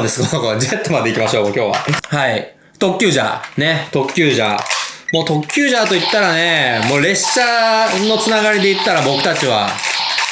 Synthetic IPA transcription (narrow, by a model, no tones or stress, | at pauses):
d̪e̞sɨ̥konakod͡ʑet̪ːomad̪e̞ikʲimaɕo̞ːmoːkʲo̞ːβa̰hai | t̪o̞kʲːɨːʑa̰ne̞t̪o̞kʲːɨːʑa̰mo̞ːt̪o̞kʲːɨːʑat̪o̞it̪ːaɾane̞mo̞ːɾe̞ɕɕano̞t͡sɨnaɡaɾʲid̪e̞it̪ːaɾabo̞kɯ̟̥t̪at͡ɕiβa